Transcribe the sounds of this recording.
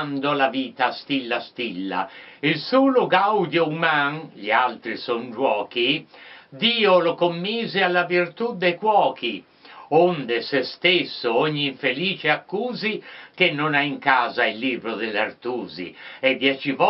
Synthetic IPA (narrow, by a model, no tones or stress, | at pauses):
nd̪olaviːt̪ast̪ilːast̪ilːa̰ilsuːloɡawd̪joumaŋʎialt̪ɾisond͡ʒwɔːkid̪iːolokomːiːzealːavirt̪ud̪ːejkwɔːki | ond̪esest̪esːooɲːiiɱfeliːt͡ʃeakːuːzikenːonaiŋkaːzailːiːbɾod̪elːart̪uːzḭɛd̪ːjɛt͡ʃivɔ